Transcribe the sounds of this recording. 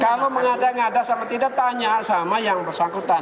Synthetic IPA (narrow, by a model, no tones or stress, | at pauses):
kaloməŋadaŋadasamat̪idat̪aɲasamajaŋbərsaŋkut̪an